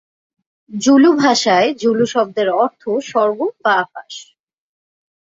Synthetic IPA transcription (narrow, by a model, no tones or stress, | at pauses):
d͡ʑulubʱaʃaed͡ʑuluʃɔb̚d̪eɾɔɾt̪ʰoʃɔɾbobaapa̰ʃ